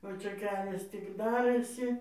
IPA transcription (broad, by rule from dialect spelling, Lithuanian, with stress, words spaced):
oː ˈt͡ʃʲɛ ˈkʲæːlʲɛs tʲɪk ˈdɑːrɘsʲɪ